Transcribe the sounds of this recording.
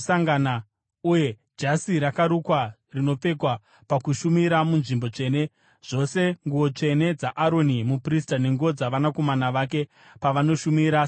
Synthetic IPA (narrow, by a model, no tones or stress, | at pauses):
saŋɡana | uje̞ | d͡ʒasiɾakaɾukwa | rino̞p͡fe̞kwa | pakuʃumiɾamunʐimbo̞t͡ʂe̞ːne̞ | ʐ̥o̞se̞ŋɡuwo̞t͡ʂe̞ne̞d͡zaʔaɾo̞nimupris̬tane̞ŋɡuod͡zaʋanako̞manaʋak̬e̞ | paʋano̞ʃumiɾa